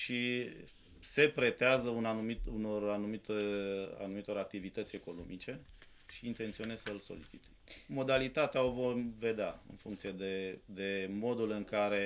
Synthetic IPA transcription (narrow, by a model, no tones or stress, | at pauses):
ʃi | se̞pɾe̞t̪eazəunanumit̪uno̞ranumit̪əa̰numit̪o̞ɾak̚t̪ivit̪ət̪sʲe̞ko̞no̞mʔit͡ʃe̞ | ʃiːnt̪ent̪sio̞nezsəlso̞̰lit͡ʃi̥t̪emo̞d̪alit̪at̪eao̞vo̞rve̞d̪eaɨ̰nfṵŋkt̪sije̞d̪ed̪e̞mo̞d̪ulɨŋkaɾe̞